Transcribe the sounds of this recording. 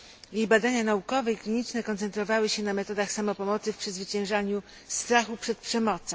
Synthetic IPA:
jejbad̪aɲanaukɔvɛiklʲiɲit͡ʂnɛkɔnt̪sɛnt̪ɾɔvawɘɕɛnamɛt̪ɔd̪axsamɔpɔmɔt̪sɘfpʂɘzvɘt͡ɕɛ̃w̃ʐaɲu | st̪ɾaxupʂɛt̪̚pʂɛmɔt̪sɔ̃

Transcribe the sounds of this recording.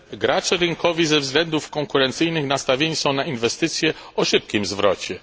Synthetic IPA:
ɡɾat͡ʂɛɾɘŋkɔvʲizɛvzɡlɛnd̪ufkɔŋkuɾɛnt̪sɘjnɘxnast̪avʲjeɲisɔ̃w̃nainvɛst̪ɘt̪sʲjɛɔʂɘp̚kʲimzvɾɔt͡ɕɛ

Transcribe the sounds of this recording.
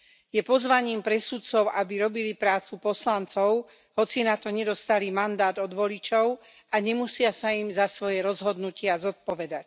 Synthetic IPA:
jɛpɔzʋaɲiːmpɾɛsut̪t͡sɔʊʔabiɾɔbilipɾaːt͡supɔslant͡sɔʊ | ɦɔt͡sinat̪ɔɲɛd̪ɔst̪alimand̪aːd̪ɔd̪ʋɔlit͡ʃɔʊ | aɲɛmusɪasaimzasʋɔjɛɾɔzɦɔd̪nucɪazɔt̪̚pɔʋɛd̪ac̚

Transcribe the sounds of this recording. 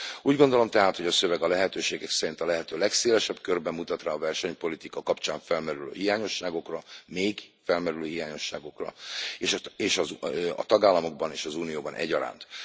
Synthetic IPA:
uːɟɡond̪o̞lo̞mt̪ɛɦaːt̪ho̞ɟɒsø̞vɛɡɒlɛɦɛt̪øːʃeːɡɛksɛɾint̪ɒlɛɦɛt̪øːlɛkseːlɛʃɛbkørbɛmːut̪ɒt̪raːɒvɛrʃɛɲpo̞lit̪ikɒkɒpt͡ʃaːɱfɛlmɛɾylø̰ːɦijaːɲo̞ʃːaːɡo̞krɒmeːɡfɛlmɛɾyløːɦijaːɲo̞ʃːa̰ːɡo̞krɒ̰eʃeːʃɒzɒ̰t̪ɒɡaːlːɒmo̞ɡ̚bɒneːʃɒzuːnijoːbɒnʔɛ̰ɟːɒɾa̰ːnt̪

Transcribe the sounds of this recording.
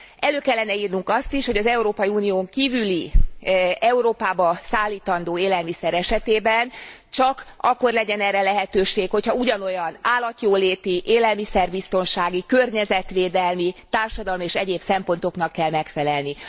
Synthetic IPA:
ɛløːkɛlːɛnɛiːrnuŋkɒst̪iʃho̞ɟɒzɛuɾoːpɒjiuːnijoːŋkiːvyli | ɛuɾoːpaːbɒsaːlːiːt̪ɒnd̪oːeːlɛlmisɛɾɛʃɛt̪eːbɛnt͡ʃɒkɒkːo̞rlɛɟɛnɛrːɛlɛɦɛt̪øːʃeːkho̞chɒuɟɒno̞jɒnaːlːɒt̪joːleːt̪iʔeːlɛlmisɛrbist̪o̞nʃaːɡikørɲɛzɛt̪ʋeːd̪ɛlmit̪aːrʃɒd̪ɒlmieːʃɛɟeːbsɛmpo̞nt̪o̞knɒkːɛlmɛkfɛlɛlni

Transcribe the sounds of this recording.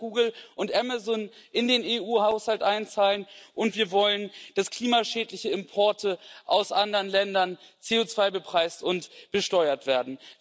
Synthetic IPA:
ɡ̥uːɡl̩ʔʊntʔɛmazɔnʔɪndeːneːuːhaʊshaltʔaɪnt͡saːlənʔʊntv̥iːɐvɔlənd̥askʰl̥iːmaʃɛːtlɪçəɪmpʰɔɐtʰəʔaʊsʔandəʁənlɛndɐnt͡seːoːt͡sv̥aɪbəpʁ̥aɪstʊntb̥əʃtɔʏɐtv̥eːɐdn̩

